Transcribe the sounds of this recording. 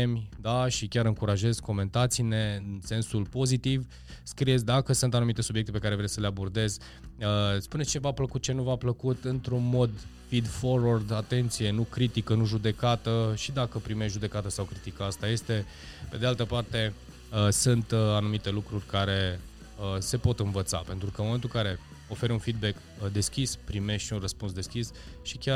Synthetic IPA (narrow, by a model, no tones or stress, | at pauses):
emʲd̪aʃikʲaɾɨŋkuɾaʒe̞zko̞me̞nt̪at̪sine̞ɨnse̞nsulpo̞zit̪iv | skɾiesʲd̪akəsunt̪anumit̪e̞subjek̚t̪epe̞kaɾe̞vɾejsəleabo̞rd̪e̞z | əspune̞st͡ʃevapləkut̪̚t͡ʃe̞nuvapləkut̪ɨnt̪ɾunmo̞d̪ | fid̪fo̞rward̪at̪e̞nt̪sije̞nukɾit̪ikənuʒud̪e̞kat̪əʃid̪akəpɾime̞ʃʒud̪e̞kat̪əsawkɾit̪ikəast̪aje̞st̪e̞ | pe̞d̪ealt̪əpart̪e̞ | əsɨnt̪anumit̪e̞lukɾurʲkaɾe̞ | əse̞po̞t̪ɨnvət̪sa̰pe̞nt̪ɾukənmomet̪ulŋkaɾe̞ | o̞fe̞ɾʲunfid̪̚be̞k | d̪e̞skʲispɾime̞ʃt̪ʃiunrəspunsd̪e̞skʲis | ʃikʲa